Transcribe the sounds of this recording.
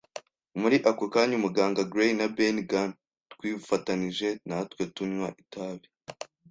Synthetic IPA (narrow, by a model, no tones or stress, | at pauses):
muɾiʔakokaːɲumuɡaːŋɡaɡɾenabenɡan | twiːfataniʒe̞natwetumɲwaʔitaːβi